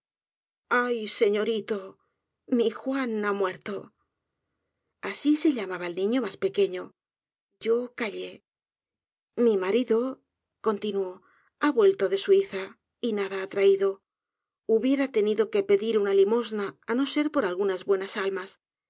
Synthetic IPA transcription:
ajse̞ɲo̞ɾit̪o̞ | mixwanamwe̞ɾt̪o̞ | asise̞ʎamaβaelnĩɲo̞maspe̞ke̞ɲo̞ | ɟ͡ʝo̞kaʎe̞ | mimaɾiðo̞ | ko̞nt̪inuo̞ | aβwe̞lt̪o̞ðe̞suiθa | inaðaːt̪ɾaiðo̞ | uβje̞ɾat̪e̞niðo̞ke̞pe̞ðiɾunalimo̞znaːno̞se̞ɾpo̞ɾalɣunazβwe̞nasalmas

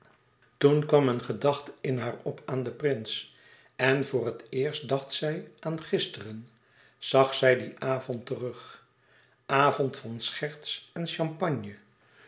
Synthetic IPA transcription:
tunkʋɑmənχədɑχtɪnɦaːɹɔpaːndəprɪns | ɛnvʊːrətɪːɹst̚dɑχtsɛjʔaːnχɪstərən | z̥ɑχsɛjdiʔaːvɔntərɵχ | ʔaːvɔntfɑnsχɛɹtsɛnʃɑmpɑɲjə

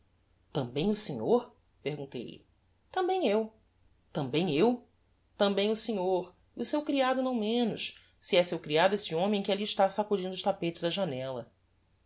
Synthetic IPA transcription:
t̪ɐ̃mbẽj̃ʊsẽɲoɾ | pehɡũnt̪ḛjlɪ̰ | t̪ɐ̃mbẽj̃ew | t̪ɐ̃mbẽj̃ew | t̪ɐ̃mbẽj̃ʊsẽɲoɾ | iʊsewkɾiad̪ʊnɐ̃w̃mẽnʊʃ | siɛsewkɾiad̪ʊesɪõmẽj̃kɪaliʃt̪asakud͡ʒĩnd̪ʊʃt̪apet͡ʃɪzd̪ɐʒanɛlɐ

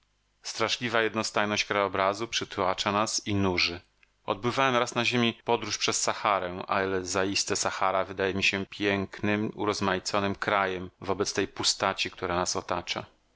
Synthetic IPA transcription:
st̪ɾaʂlʲivajɛd̪nɔst̪ajnɔɕt͡ɕkɾajɔbɾazupʂɘt̪wat͡ʂanasinuʐɘ | ɔ̰d̪̚bɘvawɛmɾasnaʑemʲipɔd̪ɾuʂpʂɛsːaxaɾɛ̃ʔa̰ilɛzaist̪ɛsaxaɾavɘd̪ajɛmʲiɕɛpʲjɛŋknɘmṵɾɔzmajt̪sɔnɘmkɾajɛmvɔbɛt̪st̪ɛjpust̪at͡ɕikt̪ʰuɾanasɔt̪at͡ʂa̰

